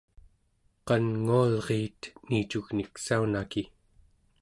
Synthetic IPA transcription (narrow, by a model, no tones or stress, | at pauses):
qɑnŋualʁeːt̪niːt͡ʃuɣniksaunaki